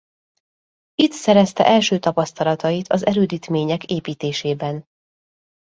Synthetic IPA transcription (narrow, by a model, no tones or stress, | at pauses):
it̪sɛɾɛst̪ɛ̰ʔɛlʃøːt̪ɒpɒst̪ɒlɒt̪ɒjit̪ʰɒzɛɾøːd̪iːt̪meːɲɛkeːpiːt̪eːʃeːbɛn